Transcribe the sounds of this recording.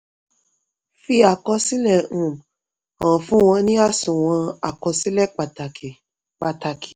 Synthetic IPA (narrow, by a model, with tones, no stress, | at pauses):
fi˧a˨kɔ˧sĩ˦lɛ˦˨ũ˨ | ã˨fũ˨˦w̃ɔ̃˧nĩ˦a˦sũ˨w̃ɔ̃˧a˨kɔ˧si˦lɛ˦˨k͡pa˨ta˨ki˨ | k͡pa˨ta˨ki̥˨